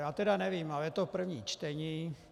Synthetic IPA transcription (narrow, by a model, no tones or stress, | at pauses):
jaːt̪ɛdanɛvimalɛjɛt̪opr̩vɲiːt͡ʃt̪ɛɲiː